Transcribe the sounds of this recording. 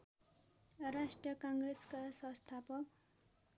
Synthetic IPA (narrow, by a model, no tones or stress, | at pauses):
rasʈrʌkʌŋɡreskasʌ̃st̪ʰapʌk̚